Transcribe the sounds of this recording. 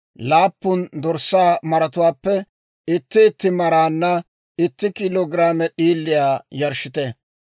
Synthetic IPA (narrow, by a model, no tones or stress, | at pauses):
laːpːʊnd̪ɔɾsaːmɐɾɐt̪ʊwaːpːɛ | ɪt̪ːɪːt̪ːɪmɐɾaːnːɐ | ɪt̪ːɪkɪloːɡɾaːmɛɗiːlːɪjaːjɐɾʃɪt̪ɛ